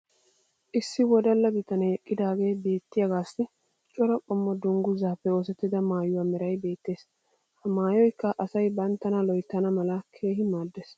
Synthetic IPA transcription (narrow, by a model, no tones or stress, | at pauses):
ʔɪsːɪwɔd̪ɐlːɐɡɪt̪ɐnɐɛkʼːɪd̪aːɡe̞ːbe̞ːt̪ːɪjɐɡaːsːɪ | t͡ʃʼɔɾɐkʼɔmːɔd̪ʊŋɡʊzaːpːɛo̞ːsɛt̪ːɪd̪ɐmaːjʊwaːmɛɾɐjbe̞ːt̪ːe̞ːs | hɐmaːjɔjkːɐʔɐsɐjbɐnt̪ːɐnɐlɔjt̪ːɐnɐmɐlɐkʰe̞ːɦɪmaːd̪ːeːs